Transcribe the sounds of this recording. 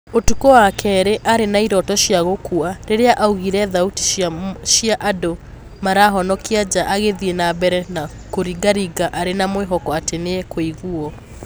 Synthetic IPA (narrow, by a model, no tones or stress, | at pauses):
otukowakʰɛɾeʔaɾenaiɾɔtɔʃjaɣokuaɾeɾeaʔauɣiɾɛðauti̥ʃiaʔado | maɾaːɦɔnɔkiad͡ʑaʔaɣeðienabɛɾɛna | koɾiɡaɾiɡaʔaɾenamweɦɔkɔatenekoiɣuɔ